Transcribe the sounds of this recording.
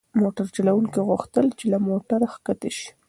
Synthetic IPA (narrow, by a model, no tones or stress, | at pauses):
moʈaɾt͡ʃalawuŋkiɣʊxt̪əlt͡ʃelamoʈaɾaxkat̪eʃi̥